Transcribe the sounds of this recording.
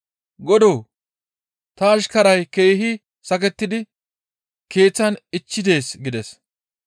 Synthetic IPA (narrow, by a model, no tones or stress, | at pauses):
ɡɔd̪oː | t̪ɐːʃkɐɾɐjke̞ːɦɪ | sɐk̬ɛt̪ːɪd̪ɪ | ke̞ːt͡sːɐnɪt͡ʃːɪd̪e̞ːsɡɪd̪ɛs